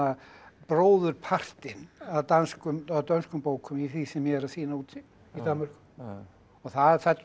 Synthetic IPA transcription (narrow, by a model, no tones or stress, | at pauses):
apɾoːwðʏɾpʰar̥t̪ɪnaðt̪anskʏmaðt̪œnskʏmpoːwkʰʏmiθisɛmjɛɛɾaðsiːnauːt̪ʰɪ | it̪anmar̥kʏ̥ | ɔθafɛt̪